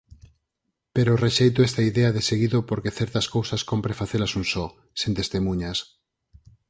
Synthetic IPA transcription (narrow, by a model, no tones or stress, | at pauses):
peɾoreʃejt̪oest̪aiðeaðeseɣiðopoɾkeθɛɾt̪ɐskowsɐskompɾefaθelɐsunsɔ | sent̪est̪emũɲas